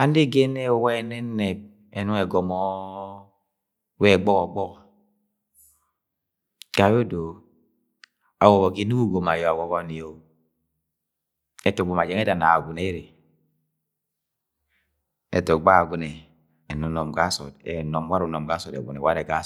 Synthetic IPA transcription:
a˦n˦de˦ɡe˦ne˦o˦we˦˨ne˦nːɛ˨b̚ | e˨nu˦ŋe˨ɡɔ˨mɔ˦ | we˦˨ɡ͡bɔ˦kɔ˨ɡ͡bɔ˦k | ɡ̥a˨jo˦do˨ | a˨wo˨bɔ˨ki˦nu˦ɡu˦ɡo˨ma˨jɔ˨a˨wo˦kɔ˦ni˨o˦ | e˨to˨ɡ͡bo˨ma˨d͡ʒe˦ŋe˦da˨na˨ɡu˨ne˦ɾe˨ | ḛ˨to˨k̚ɡ͡ba˦˨ɡu˦nɛː˨ | nu˦nɔ˨mɡa˦sɔ̰˨dḛ˨nɔ˨mwa˦ɾu˨˦nɔ˨mɡa˦sɔ˨dḛ˨ɡṵ˨nḛ˨wa˦ɾe˨ɡa˦

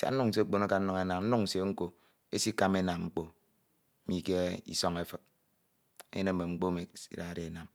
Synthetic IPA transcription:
sḛ˨a̰˨˦nu˦ŋn̩˨s̬e˦k͡po˦˨na˦ka˨n̩˦nu˨ŋe˦na˨ŋn̩˦nu˦ŋ̩˨se˨ŋ̩˦ko˨ | e˦si˦ka˦me˦na˨mŋ͡m̩˦k͡po˨˦ | mi˨ke˦ḭ˦sɔ˦ŋe˦fɨ˨k̚ | ḛ˦ne˦m˨me˨ŋ͡m̩˦k͡po˦me˨ḭ˦ɾa˦˨ɾe˨e˨na˨m

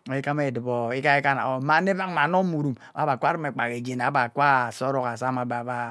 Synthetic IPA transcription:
e˨˦i˦ka˦me˨dɨ˨bo˨i˦ka˦i˦ka˦na̰˨o˨ma˦˨˦ne˦va˦ŋma˨no˦mu˨ɾu˨m | a̰˨˦ba˨kʷa˦ɾi˦me˨k͡pa˨ke˨d͡ʒe˨na˨˦ba˨kʷa˦˨so˦ɾo˦ka˨sa˦ma˨ba˨ba˦

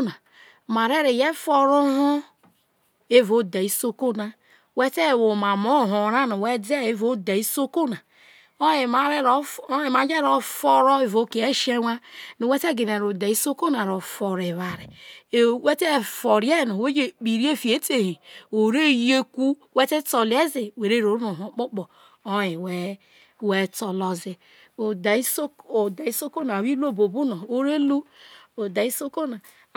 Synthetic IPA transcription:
na˨ | ma˨ɾe˦ɾe˨je˦fo˦ɾo˦ho˦ | e˦vo˦da˨i˦so˦ko˦na˨ | we˦te˦˨wo˨ma˨mo˦˨ɦo˨ɾa˦no˨we˦de˦e˦vo˦da˨i˦so˦ko˦na˨ | o˦e˨ma˨ɾe˦ɾe˨m˨a˨˦d͡ʒe˦ɾo˨fo˦ɾo˦e˦vo˨ke˨e˦ʃe˦wa˦nu˨we˦te˦ɡi˨ne˨ɾo˨da˨i˦so˦ko˦na˨ɾo˨fo˨ɾe˨βa˨ɾi˨e˨we˦te˦˨fo˨ɾi˦e˦˨no˨we˦d͡ʒe˨k͡pi˨ɾi˦e˦fi˨e˦te˨hi˨o˨ɾe˦je˦ku˦ | we˦te˦to˨le˦zi˨we˨ɾe˦ɾo˨ɾno˨ɦo˨k͡po˦k͡po˨ | o˦i˨we˦ | we˦to˨lo˨zi˨ | o˨da˨i˦so˦o˨da˨i˦so˦ko˦na˨wi˦lo˦bo˨bu˦no˨o˦ɾe˦lu˦o˨da˨i˦so˦ko˦na˨

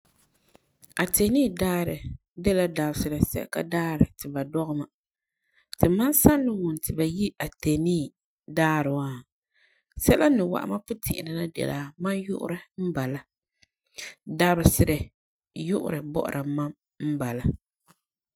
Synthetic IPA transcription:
a˨te˨niː˦˨daː˦ɾɨ˨ | dɛ˦la˦da˨bsɨ˨ɾɨ˨sɛ̰˦ka̰˦daː˦ɾɨ˨tɨ˨ba˨dɔ˦ɣɨ˦ma˨ | tɨ˨ma˦nsa˦nːɨ˦wʊ˨n˨tɨ˨ba˨ji˦a˨te˨niː˦ | daː˦ɾɨ˨wa˦ | sɛ˦la˦nɨ˨wa̰˨ʔma˦pʊ˦tʰɪ̰˨ʔɪ̰˨nɨ˨na˦dɛ̰˨laː˨ma˦njʊ˦ʔʊ̰˦ɾɨ˦m̩˦ba˨la˦ | da˦bɨ˨sɨ˨ɾɨ˨ | jʊ˦ʔʊ̰˦ɾɨ˨bɔ̰˦ʔʊ̰˨ɾʔa˨ma˦m | m̩˦ba˨la˦

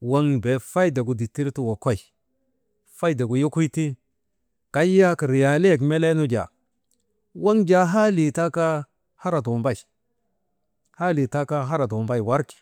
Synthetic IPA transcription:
wa˦ŋbe˨fa˦jda˨ɡu˨di˨tːi˦ɾtu˦wo˨ko˦i˨ | fa˦jda˨ɡu˨jo˦ku˦ti˦ | ka˦ja˦ka˨ɾi˨ja˨le˦˨kme˦le˦nu˦d͡ʒa̰˨ | wa˦ŋd͡ʒa˦ɦa˦li˨ta˦ka˦ | ha˦ɾa˨do˨mba˦i˨ | ha˦li˨ta˦ka˦ɦa˦ɾa˨do˨mba˦jwa˦ɾki̥˨

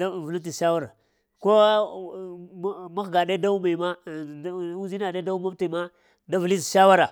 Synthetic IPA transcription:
a˦˨vu˨lu˦t̬i˨ʃa˦wa˦ɾa˨ | ko˦ | ma˦xɡa˨ɗe˦da˦u˦ma˨ma˦ | u˦zi˦na˨de˦da˦u˦ma˦ti˨ma˦ | da˦vu˨li˦sʃa˦wa˦ɾa˨

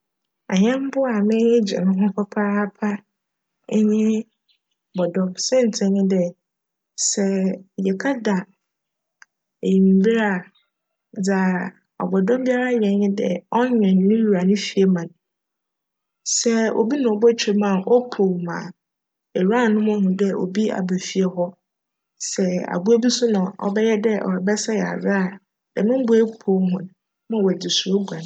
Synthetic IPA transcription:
a˨ɲɛ̃˦m˦bʊ˦a˨mɪ̃˦d͡ʑɪ̰˨nʊ̃˦ɦʊ̃˦kʰɔ˦pʰaː˦pʰa˦ | ɲɪ̃˦˨ | bɔ˨dɔ̃˦msɛ̃˦n̩˨tʰɪ̃˨ɲɪ̃˦dɛ˨ | sɛ˦jɛ˨kʰa˦da˨ | e˨ji˨m˨bi˦ɾa˨ | d͡za˨ | ɔ̰˨bɔ˨dɔ̃˦m˦bi˦a˦ɾa˦jɛ̃˨˦ɲɪ̃˦dɛ̰˨ɔ˦ɲᶣɛ̃˨nː˦ʊ̃˦ju˨ɾa˨nʊ̃˦fi˨e˦mã˨n | sɛ˦o̰˨bi˦nã˨ɔ˨bɔ˦t͡ɕʰᶣe˦mã˨ʔɔ˦pʰo˨mã̰˨ | ɛ˨ɾa˦˨nʊ̃˦mʊ̃˦hʊ̃˨dɛ˦ʔo̰˨bi˦a̰˨be˨fi˨ɛ˨hɔ˦ | sɛ˨a̰˨bu˦e˦bi˦sʊ˦nʊ̃˨ɔ̰˦bɛ˦jɛ˦dɛ˦ʔɔ̰˨ɾɛ˨bɛ˦sa˦jɛ˨a̰˨ɾa˦˨ | dɛ˨nʊ̃˦m˦bʊ˦e˦pʰo˦hʊ̃˨n | mã˦wɛ˨dɪ˨su˨ɾo˦ɡʷã˨n

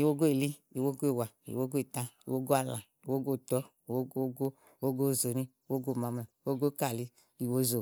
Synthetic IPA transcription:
i˨wo˦ɡo˦e˨li˦i˨wo˦ɡo˦e˦˨wa˨ḭ˨wo˦ɡo˦e˨tã˦ḭ˨wo˦ɡo˦a˨lã˨ | i˨wo˦ɡo˦˨tɔ˦ | i˨wo˦ɡo˦ɡo˦ | wo˦ɡo˦˨zo˨ni˦wo˦ɡo˦˨ma˨˦mɛ˨˦wo˦ɡo˦˨˦ka˦˨li˦ | i˨wo˦zo˨

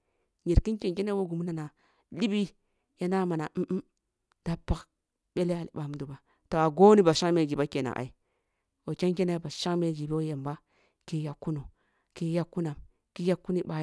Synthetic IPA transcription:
ɲi˨ɾki˦ke˨nke˦ne˦wo˦ɡu˨mu˦na˨na˨ | li˦bi˦ | ja˦na˦ma˨na˨˦ʔ̩˦ | d̥a˦pa˦k | ɓe˦le˦a˨lḭ˨ba˨m˦du˨ba˨ | to˨a˨ɡo˦ni˦ba˨ʃa˦ŋme˨ɡi˨ba˦ke˨na̰˨ʔa̰˨i˦ | o˨ke˦nke˦ne˦ba˨ʃa˦ŋme˨ɡi˨bi˦o˦je˨mba˦ | ki˦ja˨kːu˦no˨ | ki˦ja˦kːu˦na˨m | ki˦ja˦kːu˦ni˦ba˦

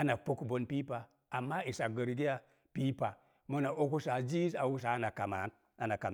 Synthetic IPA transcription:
a˦na˨po˦kbo˨˦npi˦pa˨ | a˨mːa˦i˨sa˨ɡə˨ɾɡi˦ja˦ | pi˦pa˨ | mo˦na˨ʔo˦ku˦sa˨d͡ʒi˦sa˨wu˦s̬a˨˦na˨ka˨ma̰˨˦n | a˦na˨ka˨m

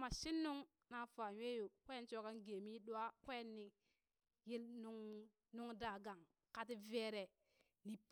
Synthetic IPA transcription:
ma˨ʃi˦nːu˦ŋ | na˨fa˨ɲʷwe˦ju˨kʷe˦nt͡ʃo˦ka˦nɡe˨mi˦ɗu˦a˦kʷe˦nːi˨ | ji˦lnu˦ŋ | nu˦ŋda˨ɡa˨ŋ | ka˨t̬i˦ve˦ɾe˨ | ni˨p

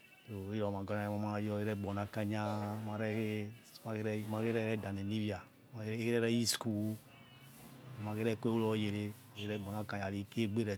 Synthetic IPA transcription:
to˨˦ɾɔ˨mã˨ɡɔ˦nã˨˦ma˨˦mã˦jɔ˦e˦ɾɛ˦˨ɡ͡bɔ˨nã˦˨kã˦ɲã˦mã˨ɾɛ˦ke˦ma˨ke˦ɾɛ˦mã˨ke˦ɾɛ˦ɾɛ˦˨dã˨nẽ˨nĩ˦vi˦a˨ | ma˨˦ke˦ɾɛ˦ɾɛ˦ji˦sku˦˨ | mã˨ke˦ɾɛ˦˨˦ko˦e˦wlɔ˦je˨ɾe˦˨ | e˦ɾɛ˦ɡ͡bɔ˨nã˦kã˨ɲã˨li˦ke˦ɡ͡be˦ɾɛ˨

